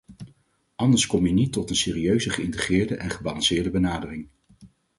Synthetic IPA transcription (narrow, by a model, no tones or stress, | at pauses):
ʔɑndəɹskɔmjənitːɔtənsɪːriøɥzəχəɪntəχɪːɹdəʔɛnχəbɑlɑŋsɪːɹdəbənaːdərɪŋ